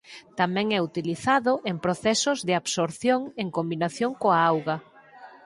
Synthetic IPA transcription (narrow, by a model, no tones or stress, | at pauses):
t̪amɛ̃ŋɛut̪iliθaðʊʔeŋpɾoθɛsʊzðɪaβsoɾθjoŋeŋkombinaθjoŋkoaawɣɐ